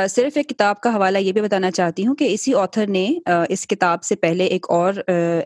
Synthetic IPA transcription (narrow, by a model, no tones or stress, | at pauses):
sɪɾfeːkːɪt̪aːb̚kaɦɐʋaːlajebʱibɐt̪aːnat͡ʃaːɦt̪iɦũkeɪsiɔːt̪ʰəɾneəɪskɪt̪aːbsepɛɦleʔeːkɔːɾ